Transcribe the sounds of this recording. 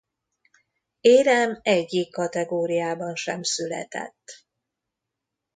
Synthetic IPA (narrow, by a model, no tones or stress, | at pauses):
eːɾɛmɛɟːikːɒt̪ɛɡoːɾijaːbɒnʃɛmsylɛ̰t̪ɛ̰t̪ː